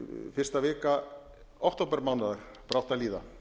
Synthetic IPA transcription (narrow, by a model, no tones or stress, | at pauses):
fɪr̥st̪avɪːka | ɔwht̪oːpɛɾmawnaðaɾ̥ | pɾawht̪aliːða